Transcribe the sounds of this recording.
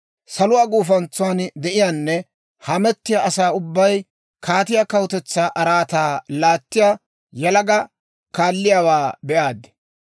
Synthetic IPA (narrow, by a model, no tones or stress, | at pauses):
sɐlʊwaːɡuːfɐnt͡sːʊand̪ɛʔɪjaːnːɛ | hɐmɛt̪ːɪjaʔɐsaːʊbːɐj | kʰaːt̪ɪjaːkɐwʊt̪ɛt͡sːaːʔɐɾaːt̪aːlaːt̪ːɪja | jɐlɐɡɐ | kaːlːɪjaːwaːbɛʔaːd̪ɛ̥